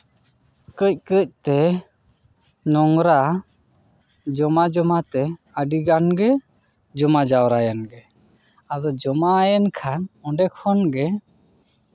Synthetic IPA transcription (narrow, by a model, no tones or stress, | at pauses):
kəc̚kəc̚t̪ɛ | nɔŋɾa | d͡ʒɔmad͡ʒɔmat̪ɛ | əɖiɡanɡɛ | d͡ʒɔmad͡ʒawɾajanɡɛ | ad̪ɔd͡ʒɔmajankʰanɔɳɖɛkʰɔnɡɛ